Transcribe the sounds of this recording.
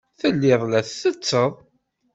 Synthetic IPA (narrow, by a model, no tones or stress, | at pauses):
θəlːɪðˤlæθːət͡sːəðˤ